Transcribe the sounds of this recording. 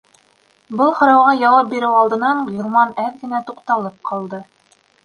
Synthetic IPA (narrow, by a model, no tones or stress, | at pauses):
bɤlˠχŏɾɑwʁɑjɑwɑp̚biɾɘwɑlˠd̪ɤ̆nɑɴjŏlˠmɑnæθkɘ̆næt̪uqt̪ɑlˠɤp̚qʰɑlˠd̪ɤ